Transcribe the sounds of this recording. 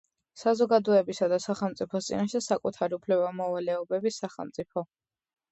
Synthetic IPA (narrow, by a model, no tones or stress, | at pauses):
sazɔɡad̪ɔɛbisad̪asaχɛlˠmt̪sʼipʰɔst̪sʼḭnaʃɛsakʼut̪ʰaɾiupʰlɛbamɔvalɛɔbɛbisaχɛ̰lˠmt̪sʼipʰɔ